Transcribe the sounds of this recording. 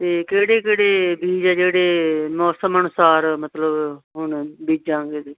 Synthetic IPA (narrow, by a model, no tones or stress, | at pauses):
t̪eːkeːɽeːkeːɽeːbiːd͡ʒɛːd͡ʒeːɽeːmɔːsəmənʊsaːɾmət̪ləbɦʊɳbiːd͡ʒãːŋɡeːd̪eː